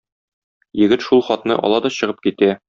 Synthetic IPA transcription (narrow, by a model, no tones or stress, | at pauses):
jɘ̆ɡɘt̪ʃulˠχɒt̪nɤ̰ʔɒ̰lˠɑd̪ɒɕɤ̆ʁɤp̚kit̪æ